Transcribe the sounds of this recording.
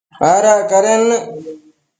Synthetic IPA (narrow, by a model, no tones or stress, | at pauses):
aːɾaːkɐɾenːɨ